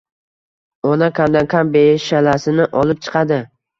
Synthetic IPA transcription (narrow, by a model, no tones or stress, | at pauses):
ɒnakʲʰamd̪ankʲʰambeʃalasɪnɪʔɒlˠɪp̚t͡ʃʰɨ̥qʰɑd̪ɪ